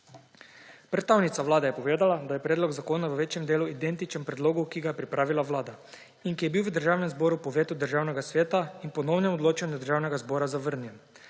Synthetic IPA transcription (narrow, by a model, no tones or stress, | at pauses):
pɾɛt̪tawnit̪saʋlaːd̪ɛjɛpɔʋeːd̪alad̪ajɛpɾɛːd̪lɔɡzakoːnaʋəʋeːt͡ʃjɛmd̪eːluid̪ɛnt̪it͡ʃɛmpɾɛd̪loːɡukiɡajɛpɾipɾaːʋilaʋlaːd̪a | inkijɛbiwʋəd̪əɾʒaːwnɛmzboːɾupɔʋeːt̪ud̪əɾʒaːwnɛɡasʋeːt̪ainpɔnɔwnɛmɔd̪loːt͡ʃanʲd̪əɾʒaːwnɛɡazbɔːɾazaʋəɾnjɛm